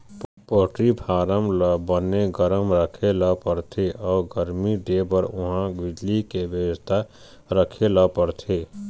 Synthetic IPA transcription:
poʈɾipʰaɾəmlbənːeɡəɾəmɾəkʰeləpəɾt̪ʰeʔɔːɡəɾmiɖebəɾʊɦãɡid͡ʒlikebjəwəst̪ʰa | ɾəkʰeləpəɾt̪ʰe

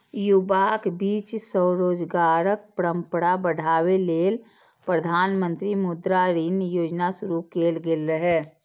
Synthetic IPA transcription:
jʊbakbiːt͡ʃsɔːɾoːd͡ʒɡaːɾək̚pɾə̃mpəɽabəɽ̤aːweleːl | pɾəd̪ʱaːnmə̃nt̪ɾimud̪ɾaɾinjoːd͡ʒnasʊɾukeːlɡelɾəɦɛ

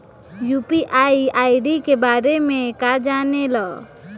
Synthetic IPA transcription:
jupiʔajajɖikebaɾemekad͡ʒanelɔ

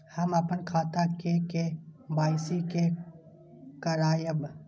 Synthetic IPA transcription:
hɐməpənkʰaːt̪akekebaːɪsike | kɐɾaːjəb

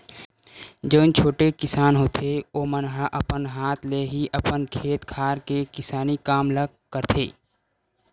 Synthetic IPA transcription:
d͡ʒoːnt͡ʃʰoːʈekɪsaːnɦoːt̪ʰeoːmənɦaʔəpənɦaːt̪ʰleɦiʔəpənkʰeːt̪kʰaːɾkekɪsaːnikaːmləɡ | kəɾt̪ʰeː

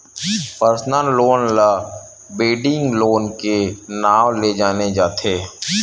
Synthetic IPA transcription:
pəɾsnəloːnla | beːɖɪ̃ŋɡloːnkenaːwled͡ʒaːned͡ʒaːt̪ʰeː

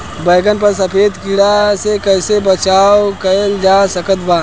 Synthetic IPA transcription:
bəːɡənpəɾs̬əpʰeːd̪kɪɽasekəɦsebət͡ʃaːokəld͡ʒasəkət̪baː

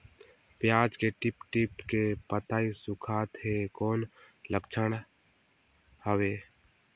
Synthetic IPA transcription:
pjaːd͡ʒkeʈɪpʈɪpkepət̪aːisʊkʰaːt̪ɦekoːnləkt͡ʃʰəɽ̃ | həʋeː

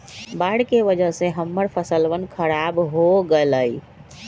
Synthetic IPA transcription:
baɽkeʋəd͡ʒəɦseɦəmːəɾpʰəsəlʋənkʰəɾabɦoɡeləj

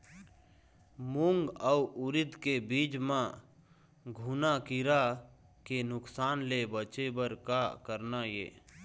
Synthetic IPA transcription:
muŋɡəuʔʊɾɪd̪kebiːd͡ʒmã | ɡʱunakiɾa | kenʊksaːnlebət͡ʃebəɾkakəɾnajḛː

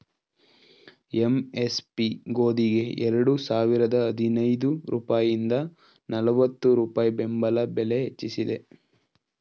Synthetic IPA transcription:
emespiɡoːd̪iɡe̞ɛɾɐɽusaːʋiɾɐd̪ɐːd̪ʱinɐjd̪uɾṵːpaːjind̪ɐ | nɐlɐʋɐt̪ːuɾuːpaːjibembɐlɐbele̞ɦet͡ʃːisid̪e̞

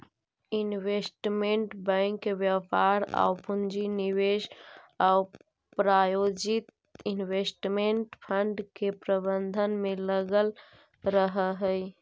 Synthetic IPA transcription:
inwesʈmeɳʈbə̃ɪŋkːebjəpaɾa̰wpund͡ʒiniweʃaw | pɾajod͡ʒit̪̚ | inwesʈmeɳʈpʰəɳɖkepɾəbənd̪ʱənmeləɡəl | ɾəɦəɦəj

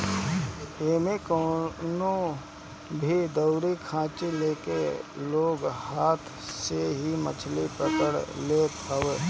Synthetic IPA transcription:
eːmekono | bʱid̪əʊɾikʰãːt͡ʃileːkḛloːɡhaːt̪ʰ | seɦimə̰t͡ʃʰlipɾəkəɽleːt̪ɐʋeː

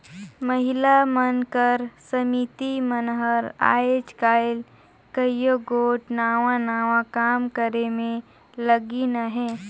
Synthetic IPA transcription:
məɦɪlamənkəɾsəmit̪imənɦəɾa̰ːet͡ʃkaːɪl | kəjjoɡoːʈnaːʋãnaːʋãkaːmkəɾemẽ | ləɡinaɦɛː

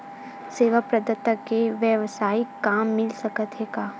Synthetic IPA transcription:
seːʋapɾɐd̪ət̪ːəkeʋjəʋsaːikaːmːɪlsɐkət̪ɦeːɡaː

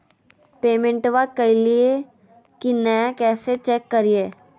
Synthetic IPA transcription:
peːmẽɳʈʋakɐilie | kinɐkɛːset͡ʃɛːkːɐɾieː

